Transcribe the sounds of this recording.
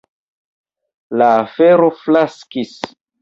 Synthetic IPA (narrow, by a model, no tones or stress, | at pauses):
laːfeɾoflaskis